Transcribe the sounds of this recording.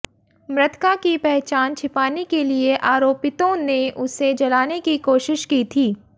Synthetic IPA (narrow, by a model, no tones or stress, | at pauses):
mɾɪt̪kakipɛɦt͡ʃaːnt͡ʃʰɪpaːnekelieʔaːɾoːpɪt̪õneʔʊsed͡ʒɐlaːnekikoːʃɪʃkiːt̪ʰiː